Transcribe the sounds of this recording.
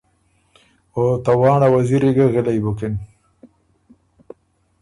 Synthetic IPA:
ot̪awɑːɳawaziɾiɡəɣɪlajbʊkɪn

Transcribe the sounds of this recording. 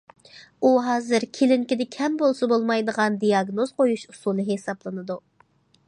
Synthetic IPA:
uɦɑːzɨɾkʲʰelɪŋkʲɪd̪ɪkʲʰɛmbolˠsɑbolˠmɑjd̪əʁɑnd̪ijɑɡnozqʰojuʃusulˠnɨɦesɑblˠɨnɨd̪u

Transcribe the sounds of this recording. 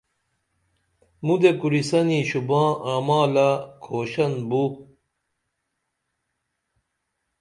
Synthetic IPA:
mud̪ekuɾisɐniɕubãːamaːlakʰoːɕɐnbu

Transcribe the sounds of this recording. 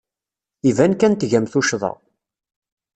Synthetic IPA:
ivænkænt̪ʝæmθuʃðˤɑ̰

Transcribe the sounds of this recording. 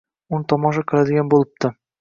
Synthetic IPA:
ʊnɪt̪ʰɒmɒʃ̬aqʰɨlˠad̪ɪɡʲanbolˠɪp̚t̪ɪ

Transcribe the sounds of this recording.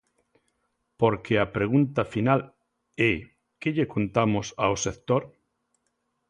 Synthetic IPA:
poɾkeɐpɾeɣunt̪ɐfinal | ɛ | keʎekont̪amʊsawsekt̪oɾ

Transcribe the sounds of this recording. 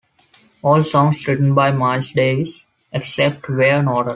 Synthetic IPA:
ɔːlsɔ̃ːŋsɾɪʈə̃nbaɪmaɪlsɖeːs | eksɛp̚ʈʋeːɾə̃nɔːʈəɾ

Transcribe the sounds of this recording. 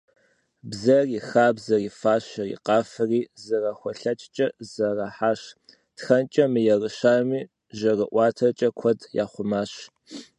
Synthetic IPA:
bzɐriːxaːbzɐriːfaːɕɐrḭːqɑːfɨriːzɐrɐxʷɔɬɐt͡ʃʼt͡ʃʼɐz̥ɐrɐħaːɕ | txɐnt͡ʃʼɐmɨjɛrəʃaːmiː | ʒɐrəʔʷɑːtʰɐt͡ʃʼɐkʷʰɔdja̰ːχʷʊmaːɕ

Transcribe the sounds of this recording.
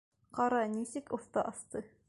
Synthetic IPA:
qɑɾɑnisɘkoft̪ɑʔɑst̪ɤ

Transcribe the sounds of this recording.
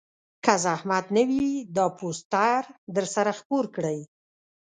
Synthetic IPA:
kazahmad̪nəwid̪ɑpʰost̪aɾd̪əɾsaɾaxpoɾkɽəj

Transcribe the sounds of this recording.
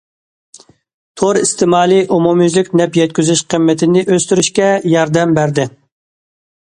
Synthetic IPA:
t̪ʰoɾist̪ʰɪmɑːlˠiʔumumyzlɪkʲnɛpjɛt̪̚kʲyzyʃqʰəmːɪt̪ʰɪnɪʔøst̪yɾyʃkʲɛjɑɾd̪ɛmbæɾd̪ɪ

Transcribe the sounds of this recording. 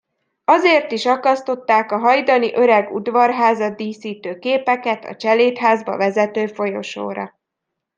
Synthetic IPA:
ɒzeːrt̪iʃɒkɒst̪o̞t̪ːaːkɒɦɒjd̪ɒniʔø̞ɾɛɡṵd̪ʋɒrɦaːzɒd̪iːsiːt̪øːkeːpɛkɛt̪ɒ̰t͡ʃɛleːt̪ɦaːzbɒ̰vɛzɛt̪øːfo̞jo̞̰ʃo̰ːɾɒ̰

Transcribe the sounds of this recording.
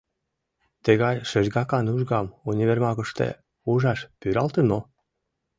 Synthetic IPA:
t̪ə̆ɣɑjʃə̆ʒɡɑkɑnuʒɡɑmunʲiβermɑɣə̆ʃt̪ḛ | uʒɑʃpyɾɑlt̪əno

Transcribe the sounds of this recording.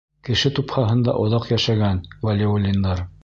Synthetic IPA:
kɘ̆ʃɘt̪uphɑɦɤ̆nd̪ɑ̰ʔŏðɑqjæʃæɡænvɐlʲeolʲːind̪ɑɾ

